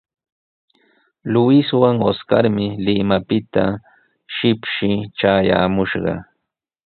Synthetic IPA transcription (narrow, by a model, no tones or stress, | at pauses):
lʊɪswaŋoska̰ɾmɪlɪmapɪt̪a | ʃɪpʃɪʈ͡ʂaːja̰ːmʊʃɢɑ̰